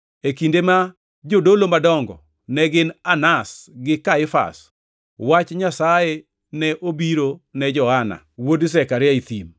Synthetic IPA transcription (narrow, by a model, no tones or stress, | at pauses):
ekindema | d͡ʒodolomadɔŋɡɔ̰ | nɛɡɪnanasɡɪkaɪfa̰s | wat͡ʃɲasajɛ | nɛʔobiɾonɛd͡ʒɔhana̰ | wods̬ɛkaɾɪjait̪im